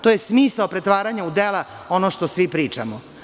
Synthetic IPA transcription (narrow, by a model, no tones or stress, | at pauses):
t̪ojesmiːsaopɾet̪ʋaːɾaɲaud̪ela | onoʃt̪osʋipɾiːt͡ʂa̰mo